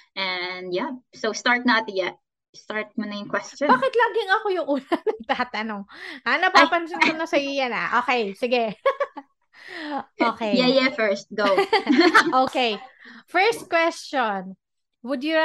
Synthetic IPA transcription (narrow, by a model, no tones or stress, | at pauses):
ʔɛnd̪jasowst̪aɹt̪̚nat̪jɛt̚ | st̪aɹt̪̚mʊnɐjʊŋkwɛst͡ʃɔ̃baːkɪt̪laːɡɪŋɐkojʊŋʔuːnɐŋnɐŋt̪aːt̪ɐnoŋʔanɐpapɐns̬ɪnkʊnɐsɐjojɐnɐ̰ʔoːkɛjsɪɡɛ | ʔoːkɛjjɛjɛfɛɹst̪̚ɡo | ʔoːkejfɛɹst̪̚kwɛst͡ʃon | wʊd̪jʊ